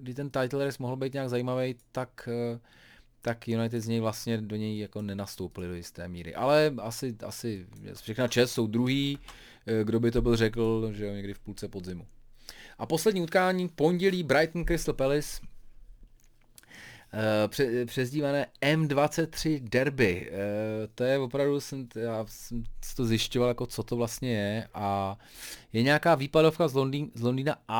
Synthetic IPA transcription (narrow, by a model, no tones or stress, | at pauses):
ɡdɪt̪ɛnt̪ajt̪lɛɾɪsmoɦl̩bɛjt̪ɲaɡzajiːmavɛjt̪ak | t̪akjunajt̪̬ɪd̪zɲɛjvlast̪ɲɛdo̞ɲɛjjako̞nɛnast̪owpɪlɪdo̞jɪst̪ɛ̰ːmiːɾɪ̰ʔa̰lɛasɪʔa̰sɪɛ̰fʃɛxnat͡ʃɛsso̞wd̪ɾuɦiː | ɡdo̞bɪt̪̬o̞bɪlrɛkl̩ʒɛjoɲɛɡdɪfpuːlt͡sɛpo̞d̪zɪmuʔapo̞slɛdɲiːut̪kaːɲiːpo̞ɲɟɛliːbɾajt̪n̩kɾɪst̪lpɛlɪs | ɛpr̥ɛzɟiːmanɛːɛmdvat͡sɛt̪̚t̪ːr̝̥ɪdɛɾbɪ | t̪ojɛvo̞pɾavdusɛmjaːsɛmsɪ̥t̪ozjɪʃcovaljako̞t͡so̞t̪ovlast̪ɲɛjɛʔa | jɛɲɛakaːviːpado̞fkazlondiːzlo̞ndiːnaʔa